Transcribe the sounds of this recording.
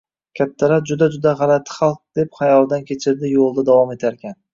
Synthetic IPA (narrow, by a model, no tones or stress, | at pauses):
kʲʰat̪ʰːaɾap̚d͡ʒʊd̪ad͡ʒʊd̪aʁɑlat̪ʰːɪ̥χalˠq̚d̪̥e̞pχajɒlˠd̪ankʲe̞t͡ʃʰɪɾd̪ɪjolˠd̪ad̪avɒme̞t̪ʰaɾkʲʰan